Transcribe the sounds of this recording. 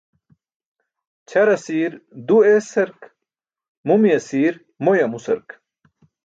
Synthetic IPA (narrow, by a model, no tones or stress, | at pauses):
t͡ɕʰɐɾɐsiːɾd̪uesɐɾk | mumiɐsiːɾ | mojɐmusɐ̰ɾk